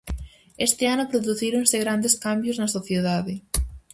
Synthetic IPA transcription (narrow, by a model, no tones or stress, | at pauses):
est̪ɪanʊpɾoðuθiɾoŋsɪɣɾand̪eskambjʊznɐsoθjeðaðɪ